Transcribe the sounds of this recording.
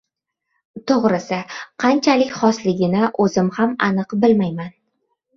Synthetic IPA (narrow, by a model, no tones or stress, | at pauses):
t̪ʰoʁɾɪsɪqʰɑnt͡ʃʰalɪkʲχɒslɪɡʲɪnɪʔɵzɪmhamanɨqbɪlmajman